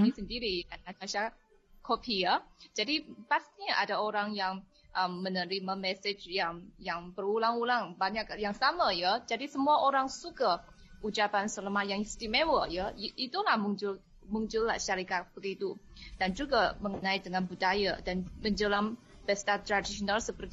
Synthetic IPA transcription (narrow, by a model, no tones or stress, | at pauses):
inisəndiɾidanataʃa | kʰopʰijəd͡ʒadipast̪iɲaʔadaoɾaŋjaŋ | ʔəmːənəɾimamɛsɪd͡ʒjaŋjaŋbərulaŋulaŋbaɲak̚jaŋsamajəd͡ʒadisəmuaʔoɾaŋsuka | ʔut͡ʃapansələmajaŋist̪imewəjəʔit̪ulahmuɲd͡ʒʊl | muɲd͡ʒʊlːa̰hʃaɾikat̪̚b̥əɡit̪ud̥and͡ʒuɡaməŋənãidəŋanbudajadanməɲd͡ʒəlam | bɛst̪at̪ɾadisionalsəpərt̪